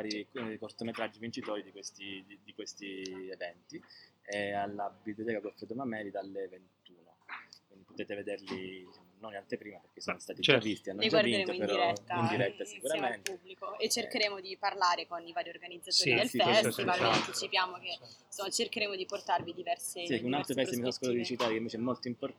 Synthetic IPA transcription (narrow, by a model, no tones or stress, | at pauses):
vaɾikkort̪omet̪ɾad͡ʒːivint͡ʃit̪ɔːɾid̪ikwest̪id̪id̪ikwest̪ievɛnt̪iealːabiblijot̪̬ɛːkakolfɛd̪omamɛːlid̪alːevent̪uːnakwind̪ipot̪ɛːt̪eved̪erliit͡ʃamnonant̪epɾiːmaperk̟esːonost̪aːt̪ievist̪ianːolid͡ʒwaɾdineeːmoipeɾɔiɛt̪ːind̪iɾɛt̪ːasikuɾamentubːlikoet͡ʃːerkeɾeːmod̪iparlaːɾekonivaːɾiorɡanid̪zat̪oːɾid̪elsiɛaant̪it͡ʃipjaːmokesomat͡ʃerkeɾeːmod̪iport̪arvid̪ivɛrsesikːunalt̪ɾopɛsemisɔnoskozat̪d̪it͡ʃit̪aːɾekeiɱveːt͡ʃeɛmːolt̪oimpor